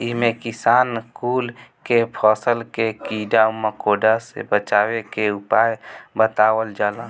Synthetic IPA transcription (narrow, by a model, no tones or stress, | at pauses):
iɦmẽkisaːnskuːlkepʰɔsəlkekiɖaməkoɖasḛbət͡ʃawekeupajbət̪awəld͡ʒalə